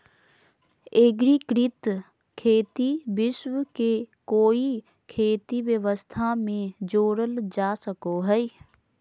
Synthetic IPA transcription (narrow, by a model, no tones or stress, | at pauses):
eːɡɾikɾɪt̪ | kʰeːt̪iʋɪʃwəkekoːi | kʰeːt̪iʋjəʋəst̪ʰamẽd͡ʒoːɽəld͡ʒaːsəkoɦɛ